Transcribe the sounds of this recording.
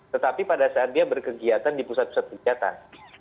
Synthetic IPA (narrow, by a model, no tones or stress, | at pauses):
t̪ət̪apipadasaat̪̚diabərkəɡiat̪andipusat̪̚pusat̪̚kəɡiat̪a̰n